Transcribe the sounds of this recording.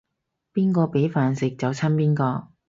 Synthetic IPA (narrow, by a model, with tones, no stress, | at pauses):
piː˥nkɔː˧pe˨˥jfaː˨nsɪ˨k̚t͡sɐ˨wt͡sʰɐ˥npiː˥nkɔː˧